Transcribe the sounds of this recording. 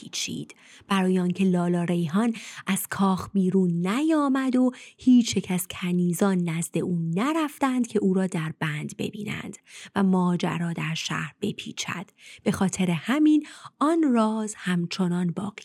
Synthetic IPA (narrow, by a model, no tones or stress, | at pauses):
iːt͡ʃʰḭːd̪̥ | b̥æɾɒːjeɒːncʰe̞lɒːlɒːɾe̞jɦɒːnʔæz̥kʰɒːxbiːɾuːnːæjɒːmæd̪ohiːt͡ʃʰjecʰæz̥cʰæniːzɒːnːæzd̪e̞ʔuːnæɾæft̪ænd̪̚cʰe̞ʔuːɾɒːd̪æɾbænd̪be̞̰biːnæ̰nd̪̥væmɒːd͡ʒæ̰ɾɒːd̪æɾʃæ̰ːhɾb̥e̞̰pʰḭːt͡ʃʰæ̰d̪̥b̥e̞xɒːt̪ʰe̞ɾehæminɒnrɒːzhæmt͡ʃʰo̞nɒnbɒːɣi